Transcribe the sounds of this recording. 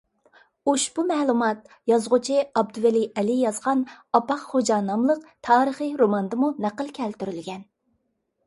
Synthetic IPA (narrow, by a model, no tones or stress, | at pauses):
oʃb̥umɛːlˠumɑt̪̚ | jɑzʁʊt͡ʃʰiɑbd̪uwɛliɛlijɑzʁɑnɑpɑqχod͡ʒɑːnɑmlˠəqt̪ʰɑːɾəχɨɾomɑnd̪ɨmunæqəlˠkʲʰɛlt̪yɾylɡʲɛn